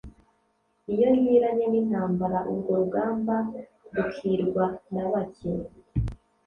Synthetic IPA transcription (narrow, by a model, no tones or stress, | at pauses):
ijo̞ɾjiːɾaɲenin̥haːmbaɾaʔuɾɡo̞ɾuɡaːmba | ɾukʰiɾɡwanaβaci